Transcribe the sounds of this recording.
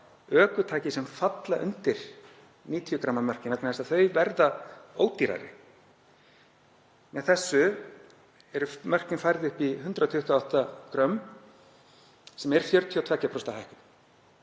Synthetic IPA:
œːkʏt̪ʰaːcɪsɛmfat̪laʔʏ̰nt̪ɪɾ̥ | niːt̪ʰijʏkɾamːamœr̥kcɪnɛknaɛsaθœɥvɛɾðaoːwt̪iɾa̰ɾɪ̰ | mɛθɛsːʏ | ɛɾʏmœr̥cɪnfajɾðɪʏhpiɦʏnt̪ɾat̪ʰʏht̪ʏawht̪akɾœm | sɛmɛɾ̥fjœɾt̪ʰiɔt̪ʰvɛcːapʰɾɔst̪ahajhkɪn

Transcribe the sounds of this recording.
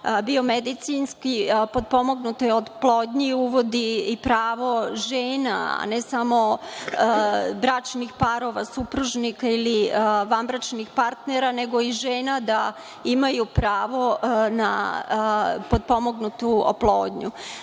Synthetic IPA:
bio̞med̪it̪sinskipo̞d̪̚po̞mo̞ɡnut̪ojeod̪plˠoːd̪ɲiuʋo̞d̪iipɾaːʋo̞ʒeːna̰a̰nesamo̞ | bɾat͡ʃnixpaɾo̞ʋasupɾuʒnikailiʋanbɾat͡ʃnixpaɾt̪neɾaneɡo̞iʒeːnad̪a | imajupɾaːʋo̞na̰ | pod̪̚po̞mo̞ɡnut̪uo̰plˠoːd̪ɲu

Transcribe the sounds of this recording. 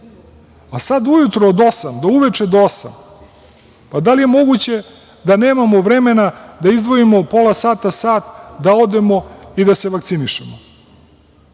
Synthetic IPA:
asad̪ujut̪ɾoːd̪o̞samd̪auʋe̞t͡ʃe̞d̪oosa̰m | pad̪alije̞mo̞ɡut͡ɕe̞ | d̪ane̞ːmamoʋɾe̞me̞nad̪aizd̪ʋo̞imo̞po̞lasaːt̪asaːt̪d̪ao̞d̪e̞mo̞id̪aseʋakt̪siniʃḛmo

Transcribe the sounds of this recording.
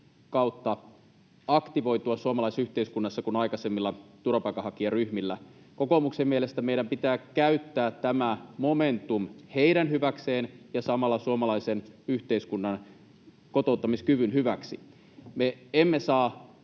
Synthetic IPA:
kɑut̪ːɑ | ɑkt̪iʋo̞it̪uɑsuomɑlɑisyht̪eiskunːɑsːɑkunɑikɑsemːilːɑt̪urɑpɑikːˑɑhɑkiɑryhmilːæ | ko̞komuksemːielest̪æmeijɾæmpit̪æːkæyt̪ːæːtt̪æmæmoment̪umheiɾænhyʋækseːnjɑsɑmɑlːɑsuomɑlɑisenyht̪eiskunːɑn | kot̪out̪ːɑmiskyʋynɦyʋæksi | meemːesɑː

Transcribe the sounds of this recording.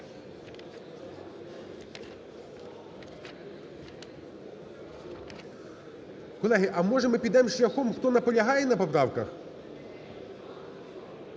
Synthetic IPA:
kɔlˠɛɦɪʔɐmɔʒɛmɪpʲid̪ɛmʃlʲɐxɔmxt̪ɔnɐpɔlʲɐɦɑjɛnɐpɔpɾɑwkɐx

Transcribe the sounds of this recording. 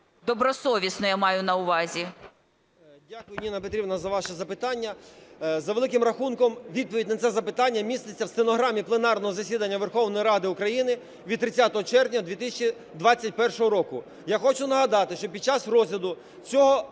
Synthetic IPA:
d̪ɔbɾɔsɔʋʲisnɔjamɑjʊnɐʊʋɑzʲi | dʲakʊjʊnʲinɐpet̪ɾʲibnɐzɐʋɑʃɛzɐpɪt̪ɑnʲːɐzɐʋelˠɪkɪmrɐxunkɔmʋʲid̪̚pɔʋʲidʲnɐt̪ɛzɐpɪt̪ɑnʲːɐmʲist̪et͡sʲːɐwst̪enɔɦɾɑmʲiplˠenɑrnɔɦɔzɐsʲid̪ɐnʲːɐʋerxɔwnɔjiɾɑd̪ɪʊkɾɐjinɪ | ʋʲid̪t̪ɾɪt͡sʲat̪ɔɦɔt͡ʃɛrnʲɐd̪ʋʲit̪ɪsʲɐt͡ʃi | d̪ʋɑt͡sʲːɐt̚ʲpɛrʃɔɦɔɾɔkʊ | jaxɔt͡ʃʊnɐɦɐd̪ɑt̪ɪʃt͡ʃɔpʲid̪̚t͡ʃɑsrɔzʲlʲɐd̪ʊ | t͡sʲɔɦɔ

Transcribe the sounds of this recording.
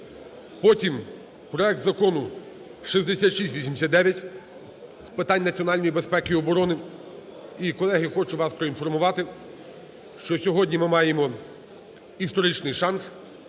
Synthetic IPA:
pɔtʲim | pɾɔɛk̚t̪zɐkɔnʊ | ʃizd̪esʲat̪ʃisʲʋisʲimsʲatd̪ɛʋʲjɐtʲ | spɪt̪ɑnʲːnɐt͡sʲiɔnɑlʲnɔjibespɛkɪiɔbɔɾɔnɪ | ikɔlˠɛɦɪxɔt͡ʃʊʋɑspɾɔinfɔrmʊʋɑt̪ɪ | ʃt͡ʃɔsʲɔɦɔdʲnʲimɪmɑjemɔ | ist̪ɔɾit͡ʃnɪjʃɑns

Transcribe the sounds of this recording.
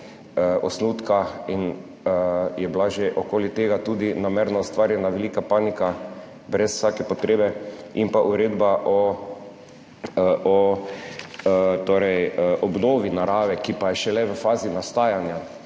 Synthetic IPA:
əɔsnuːt̪kain | əjɛblaʒeʔɔkoːlit̪eːɡat̪uːd̪inameɾnaust̪ʋaːɾjɛnaʋɛliːkapaːnika | bɾɛswsakɛpɔt̪ɾeːbɛimpaʔuɾeːd̪baʔɔ | ɔ | t̪oːɾɛjəʔɔbnoːʋinaɾaːʋɛkipajɛʃɛlɛʋəfaːzinast̪aːjanja

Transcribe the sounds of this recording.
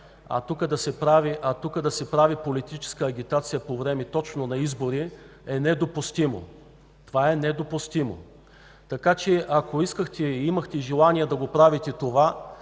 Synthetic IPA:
ɐ̰t̪ukəd̪ɐsɛpɾaviʔɐt̪ukəd̪ɐsɛpɾavipolit̪it͡ʃɛ̥skəːɡʲit̪at̪sijəpovɾɛmɛt̪ɔt͡ʃnonɐizboɾi | ɛnɛd̪opʊst̪imo̰ | t̪ovaɛnɛd̪opust̪imo̰ | t̪ɐkat͡ʃɛʔɐkoiskəxt̪ɛiimɐxt̪ɛʒɛlˠaniɛd̪ɐɡopɾavit̪ɛt̪ova

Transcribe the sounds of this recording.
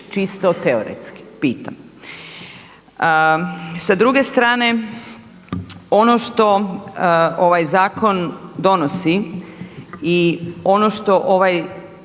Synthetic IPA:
t͡ʃist̪ot̪eoɾḛt̪ski̥piːt̪am | sad̪ɾuɡe̞st̪ɾaːne̞ | o̞noʃt̪o̞ | o̞ʋajzaːko̞nd̪o̞nosi | io̞no̞ʃt̪o̞ʔo̞ʋaj

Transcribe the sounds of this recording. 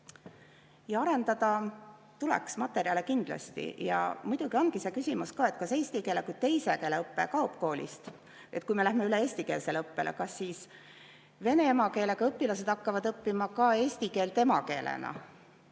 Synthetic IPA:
jɑɑɾe̞nd̪̥ɑd̪̥ɑ | t̪ulɛ̰ksmɑt̪ːˑeɾiɑle̞kind̪̥lɑ̰st̪ḭjɑ̰mujd̪̥uɡ̥io̞nɡ̥ise̞ːkysʲimuskɑːe̞t̪ːˑkɑse̞ːsʲt̪ike̞ːlekujt̪e̞jse̞keːleɤpːe̞kɑopko̞ːlʲḭst̪ | e̞t̪̚kujme̞læhme̞yle̞e̞ːsʲt̪ike̞ːlse̞lɤpːe̞̰lʔḛkɑsːiːs | ve̞ne̞emɑke̞ːle̞ɡɑɤpːilɑse̞d̪̥ɑkːɑvɑd̪ɤpːimɑkɑe̞ːst̪ike̞ːlt̪e̞mɑke̞ːlʔḛnɑ̰

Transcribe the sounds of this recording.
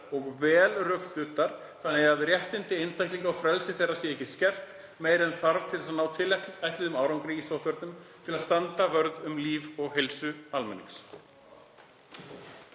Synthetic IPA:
ɔɣvɛːlrœkst̪ʏt̪aɾ̥ | θanːɛɣaðrjɛht̪ɪnt̪ɪejnst̪ʰajhtliŋkawfɾɛlsɪθejrasjɛɛhcːɪscɛr̥t̪ | meːjɾɪɛnθaɾv̥t̪ʰɪlθɛs̬anaːwt̪ʰɪlːɛt̪ajht̪lɪðʏmaːwɾawŋkɾiːɣisowht̪vœɾt̪nʏmt̪ʰɪlaðst̪ant̪avœɾðʏmliːvɔɣɦelsʏalmɛ̰nːḭs

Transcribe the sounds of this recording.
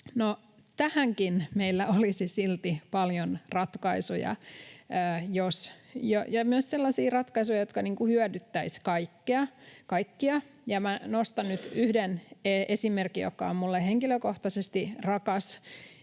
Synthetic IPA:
no | t̪æhæŋkinmeilːæolisisilt̪ipɑljonrɑt̪kɑisujɑ̰ː | josjojɑmyøsselːɑsiːrɑt̪kɑisujɑjot̪kɑniːŋkuhyødyt̪ːæiskɑikːeɑkɑikːiɑ | jɑmænost̪ɑnnyt̪yhdeneʔesimerkːˑijo̰kːɑ̰ommulːeheŋkiløkoht̪ɑsest̪irɑkɑs

